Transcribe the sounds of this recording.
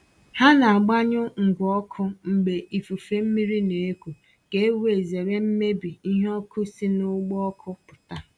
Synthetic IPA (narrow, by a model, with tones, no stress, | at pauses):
ha˦na˨a˨ɡ͡ba˦ɲʊ˦ŋ̩˨ɡʷɔ˦kʰʊ˦ŋ͡m̩˨ɡ͡be˨ʔi˨fu˨fe˦m̩˦mi˦ɾi˦ne˨e˦kʷu˨ | ke˦e˦we˨e˨ze˨ɾe˦m̩˦me˦bi˨i˦ɦɔ˦kʰʊ˦si˦nʊ˦ɡ͡bɔ˦ɔ˦kʰʊ˦pʊ˨ta˦